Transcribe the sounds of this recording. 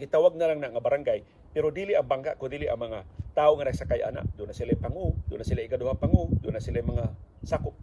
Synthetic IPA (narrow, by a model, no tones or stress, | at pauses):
ɡɪt̪awaɡ̚nalaŋnaʔŋabaɾaŋɡaj | pɛɾod̪iːliʔaŋbaŋka̰ʔkod̪iːliʔaŋmɐŋat̪aːoŋanɐɡsakajʔa̰na̰ʔd̪ʊnasilajpaŋud̪ʊ̰nːasɪlaʔɪkad̪ʊhapaŋud̪ʊnːasilajmɐŋasakʊp̚